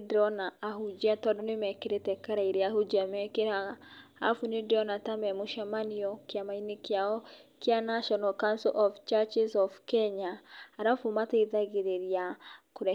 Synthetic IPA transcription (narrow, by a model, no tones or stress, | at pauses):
dɾɔnaaɦud͡ʒatɔdonemɛkeɾetɛkaɾaiɾeahud͡ʒamɛkeɾaa̰funedɔnatamɛmoʃamaniɔkeamainekeaɔkjanaʃɔnalkansɛ̰lʔɔft͡ʃat͡ʃizɔfkɛɲaːɾafomataiðaɣeɾeɾiakoɾɛ